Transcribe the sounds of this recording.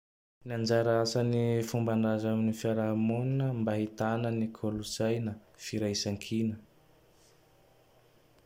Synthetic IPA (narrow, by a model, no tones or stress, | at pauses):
niand͡ʒaɾaasanifumbandazaminifaɾaɦmonnəmbaɦit̪anənikʰolusajnəfiɾajsaŋkʰinə